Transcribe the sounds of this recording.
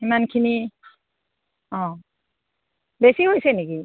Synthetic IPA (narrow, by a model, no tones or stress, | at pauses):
himankʰini | ɔ̃ | besiɦojseniki